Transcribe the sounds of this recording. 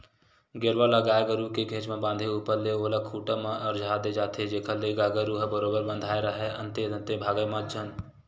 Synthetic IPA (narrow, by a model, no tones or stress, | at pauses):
ɡeɾʋalaɡaːjɡəɾukeɡʱeːt͡ʃmẽbãːnd̪ʱeuːpəɾleoːlakʰuːʈəmãɐɾd͡ʒʱaːd̪ed͡ʒaːt̪ʰed͡ʒeːkʰəleɡaːɡəɾuɦəbəɾoːbəɾbə̃nd̪ʱaːeɾəɦeənt̪eənt̪ebʱaːɡəmãd͡ʒʱən